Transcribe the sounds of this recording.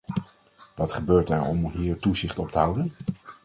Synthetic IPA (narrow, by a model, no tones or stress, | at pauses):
ʋɑtχəbøːɹtɛɹɔ̰mɦiːɹtuzɪχtɔp̚təɦʌwdən